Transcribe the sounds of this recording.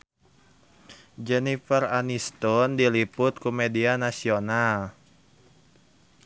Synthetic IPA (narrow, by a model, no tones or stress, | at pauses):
d͡ʒɛnifɛranist̪ɔndilipʊt̪̚kumedianasional